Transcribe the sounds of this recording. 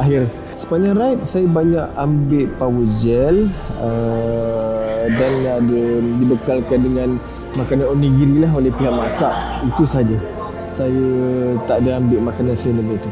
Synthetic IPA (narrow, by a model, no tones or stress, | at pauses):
aɦɪr | sə̥paɲãɾait̪̚sajəbaɲaʔambɪʔpawəd͡ʒɛlə | danadədibəkalkandəŋãn | makananonĩɡiɾilaɦolɛhpiɦaʔmasaʔit̪usad͡ʒa | sajət̪aʔadaambɪʔmakanansəndəmait̪u